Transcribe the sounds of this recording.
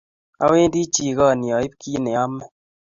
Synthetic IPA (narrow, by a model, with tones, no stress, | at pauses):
a̰˦we˦ndi˦t͡ʃi˨kɔ˦˨njɔ˨i˦p̚kʰi˦ne˨a˦mːɛ˦